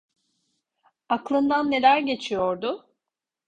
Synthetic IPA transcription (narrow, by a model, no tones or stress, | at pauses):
aklˠɯnd̪anːe̞lʲæɾɟe̞t͡ʃʰijo̞ɾd̪ʊ